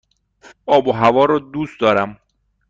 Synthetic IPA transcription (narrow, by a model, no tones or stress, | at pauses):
ɒːboɦævɒːɾɒːd̪uːst̪̚d̪ɒːɾæm